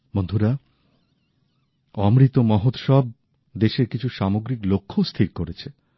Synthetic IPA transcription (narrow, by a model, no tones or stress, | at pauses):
mond̪ʱuɾa | ɔmɾit̪omɔɦot̪ʃɔb̚ | d̪eʃeɾkit͡ɕʰuʃamoɡɾiklokʰːost̪ʰiɾkoɾet͡ɕʰe